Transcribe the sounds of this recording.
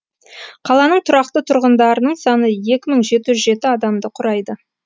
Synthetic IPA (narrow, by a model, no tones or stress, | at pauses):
qʰɑlˠɑnəɴt̪ʰʊɾɑqt̪ət̪ʰʊɾʁənd̪ɑɾənəɴsɑnəje̞kʲɪməɴʒe̞t̪ɪʒʏzʒe̞t̪ɪɑd̪ɑmd̪əqʰʊɾɑjd̪ə